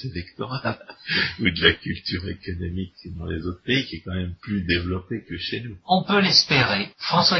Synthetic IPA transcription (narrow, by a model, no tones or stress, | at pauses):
elɛkt̪ɔʁalud̪əlakʲylt̪yʁekɔnɔmikd̪ɑ̃lezot̪χəpeikʲiɛkɑ̃mɛmplyd̪evlɔpekəʃenuɔ̃pølɛspeʁefχɑ̃swa